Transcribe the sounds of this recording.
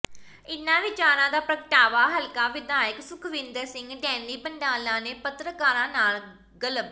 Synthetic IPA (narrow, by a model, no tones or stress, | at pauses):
ɪnːãːʋɪt͡ʃaːɾãːd̪aːpɾəkəʈaːʋaːɦəlkãːʋɪd̪aːjəksʊkʰʋɪ̃nd̪əɾsɪ̃ŋɡɖɛːnliːbə̃ɳɖaːlãːneːpət̪ɾəkaːɾãːnaːl | ɡələb